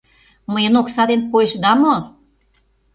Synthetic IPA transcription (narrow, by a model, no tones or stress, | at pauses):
məjə̆noksɑd̪enpojeʃd̪ɑmo